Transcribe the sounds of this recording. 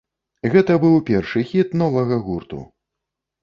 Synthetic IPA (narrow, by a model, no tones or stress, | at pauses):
ɣɛt̪ɐbɨwpʲɛrʂɨxʲit̪nɔvɐɣɐɣurt̪ṵ